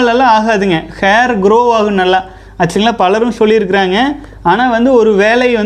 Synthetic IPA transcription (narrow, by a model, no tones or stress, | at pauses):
lɐlːãaːɣaːðɯŋɡɐxejɐɾɡɪɾoːʋaːɣɯnɐlːaː | ɐt͡ʃːɐŋɡɐlaːpɐlɐɾɯ̃msɔlːɪɪɾɯk̬ːɪɾaːŋɡɐ | aːnaːʋɐnd̪ɯɔɾɯʋeːlɐɪʋɐn